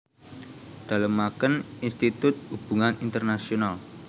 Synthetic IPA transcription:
d̪̥a̤ləmːakəninst̪it̪ʊt̪̚hub̥ṳŋanint̪ərnasional

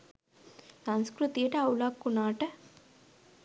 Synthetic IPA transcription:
sɐnskɾut̪iʈɐɐwlaːkːunaːʈɐ

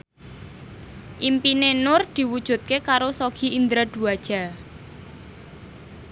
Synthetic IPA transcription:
ʔimpinenʊrd̪̥i̤wud̥ʒ̥ṳt̪̚kekaɾosoɡ̥i̤ind̪ɾad̪̥ṳad̥ʒ̥a̤

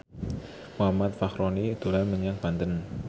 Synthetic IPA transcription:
mɦamat̪̚faxɾɔnid̪̥o̤lanməɲaŋb̥ant̪ən

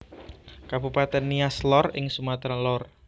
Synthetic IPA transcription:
kabupat̪ɛnːiaslɔrɪŋsumat̪ɾalɔr

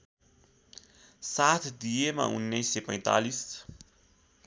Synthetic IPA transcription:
sat̪d̪iema̰ṵnnejsepã̰jnt̪a̰lis

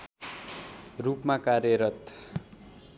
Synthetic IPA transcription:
rupmakarjʌɾʌt̪

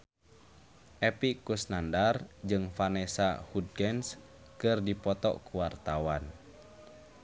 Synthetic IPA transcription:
ʔɛpikusnandard͡ʒɨŋfanɛsa̰hud̚ɡɛns | kɨrdipɔt̪ɔ̰ʔkuwart̪awan

